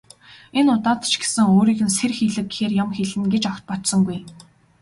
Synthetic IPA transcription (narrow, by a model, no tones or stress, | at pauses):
enʊt̪aːt̪̆t͡ɕɡe̥sɘ̆ŋoːɾiːɣɘ̆nserxiːɮɘ̆k̚ɡexeːrjamxeɮɘ̆nɡet͡ɕɔkʲt̪̚pɔt̪sɞ̆ŋɡuj